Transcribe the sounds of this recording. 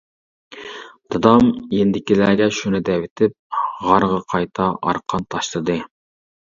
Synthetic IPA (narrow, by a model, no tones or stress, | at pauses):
d̪̥ɑd̪ɑmjend̪ɪkʲilæːɡʲɛʃunɨd̪ɛwɪt̪ʰɪp̚ʁɑɾʁɑqʰɑjt̪ʰɑʔɑ̰ɾqʰɑnt̪ʰɑʃlˠɨd̪ɨ